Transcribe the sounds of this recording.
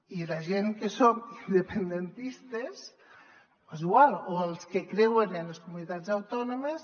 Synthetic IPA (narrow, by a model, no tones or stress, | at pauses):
ilaʒeŋkesomind̪epend̪ent̪ist̪es | eziɣwalˠoəlˠskekɾewenenleskumunit̪ad͡zawt̪ɔnomes